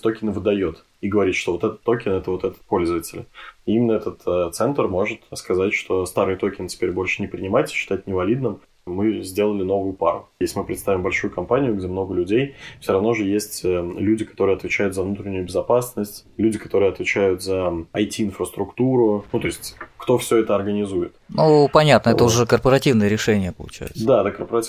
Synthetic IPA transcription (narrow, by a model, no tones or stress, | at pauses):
t̪o̞kʲɪnəvɨd̪ɐjo̞t̪ | iɡəvɐɾʲit̪ʂt̪o̞vo̞t̪ɛt̪ət̪ːo̞kʲɪnɛt̪əvo̞t̪ɛt̪ə̥t̪̚po̞lʲzəvətʲɪlʲimʲɪnːəɛt̪ət̪ət̪sɛnt̪ərmo̞ʐɨt̪skɐzatʲʂt̪o̞st̪aɾɨjt̪o̞kʲɪntʲɪ̥pʲeɾʲbo̞lʲʂɨ̥nʲɪpɾʲɪnʲɪmatʲɪ̥ɕːɪ̥t̪at̚ʲnʲɪvɐlʲid̪nɨm | mɨzʲdʲe̞lˠəlʲɪno̞vʊjʊpaɾʊ̰jeslʲɪmɨpɾʲɪt̪st̪avʲɪmbɐlʲʂujʊkɐmpanʲɪjʊɡdʲe̞mno̞ɡəlʲʉdʲejfsʲoɾɐvnoʐɨjesʲtʲəlʲʉdʲɪkɐ̥t̪o̞ɾɨjɐt̪vʲɪt͡ɕæjʊt̪zəvnut̪ɾʲɪnʲʊjʊbʲɪzɐpasnəsʲtʲlʲʉdʲɪkɐ̥t̪o̞ɾɨjɐt̪vʲɪt͡ɕæjʊt̪zəɐjtʲiːnfɾəst̪ɾʊkt̪uɾʊnut̪o̞ɪsʲtʲkt̪o̞fsʲoɛt̪əɐrɡənʲɪzujɪt̪nupɐnʲat̪nəɛt̪əʊʐɛkərpəɾɐtʲivnɨjəɾʲɪʂɛnʲɪjəpəlˠʊ̰t͡ɕæ̰jɪ̰t̪sd̪aɛt̪əkərpəɾɐi